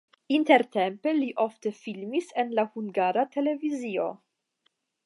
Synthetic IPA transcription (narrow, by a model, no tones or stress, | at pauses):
inteɾtempeliʔoftefilmisenlahuŋɡaɾate̞le̞vizio̞̰